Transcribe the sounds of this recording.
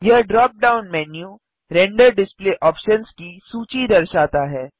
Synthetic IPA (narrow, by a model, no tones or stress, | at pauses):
jɐɦɖɾɔːp̚ɖaːʊnmɛːnju | ɾɛ̃ːɳɖəɾɖɪspleːʔɔːpʃənskisuːt͡ʃid̪ɐɾʃaːt̪aɦɛː